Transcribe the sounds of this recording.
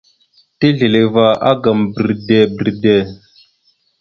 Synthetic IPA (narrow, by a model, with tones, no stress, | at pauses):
ti˦ɮi˨le˨va˦a̰˦ɡa˨mbə˨ɾde˨bi˨ɾde˨